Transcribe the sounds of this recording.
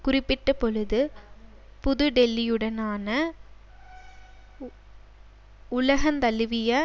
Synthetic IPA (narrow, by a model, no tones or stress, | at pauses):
kʊɾɪpːɪʈːɐpɔɻɯðɯ | pʊðɯɖɛlːɪjɯɽɐnaːnɐ | ʊlɐɣɐnt̪ɐlɯʋɪjɐ